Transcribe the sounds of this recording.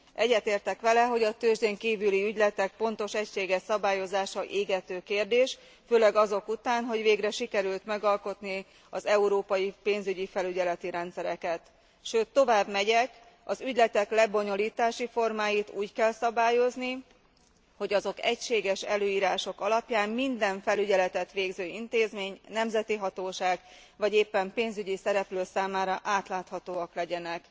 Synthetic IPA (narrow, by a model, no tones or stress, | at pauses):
ʔɛɟːɛt̪eːrt̪ɛkʋɛlɛɦo̞ɟɒt̪øːʒd̪eŋkiːvyliyɟlɛt̪ɛk̚po̞n̪t̪o̞ʃɛcʃeːɡɛʃsɒbaːjo̞zaːʃɒʔeːɡɛt̪øːkeːrd̪eːʃ | føːlɛɡɒzo̞kut̪aːnɦo̞ɟʋeːɡrɛʃikɛɾylt̪mɛɡɒlko̞t̪ni | ɒzɛuɾoːpɒjipeːnzyɟifɛlyɟɛlɛt̪iɾɛnt̪sɛɾɛkɛt̪ | ʃøːt̪ːo̞vaːbmɛɟɛk | ɒzyɟlɛt̪ɛklɛbo̞ɲo̞liːt̪aːʃifo̞rmaːjit̪uːckɛlsɒbaːjo̞zni | ho̞ɟɒzo̞kɛcʃeːɡɛʃɛløːiːɾaːʃo̞kɒlɒpjaːmmind̪ɛɱfɛlyɟɛlɛt̪ɛt̪ʋeːɡzøːint̪eːzmeːɲnɛmzɛt̪iɦɒt̪oːʃaːɡ | vɒɟeːpːɛmpeːnzyɟisɛɾɛpløːsaːmaːɾɒʔaːt̪laːt̪hɒt̪oːɒklɛɟɛnɛk